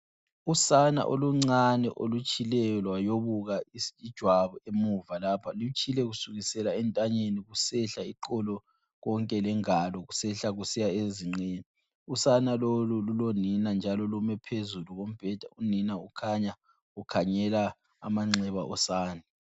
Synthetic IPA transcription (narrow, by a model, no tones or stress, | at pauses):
usana̰ʔoluŋ͡ǀanɛ̰ʔo̰lut͡ʃʼilɛɔlwajoβuɣaid̥ʒ̥ʱwaβuemuvalapʰalut͡ʃʰʼilɛɣusuɣisɛlaɛntʼaɲeniɣusɛɬaiǃɔlɔ | ɣɔŋkʼɛlɛŋalɔɣusɛɬaɣusijaeziŋ͡ǀeni | usanalolululoninand͡ʒʱalɔlumɛpʰezuluɣom̩b̥ʱɛd̥ʱauninaukʰaɲa | ukʰaɲɛla̰ː | maŋ͡ǀɛβaʔɔsaːnɛ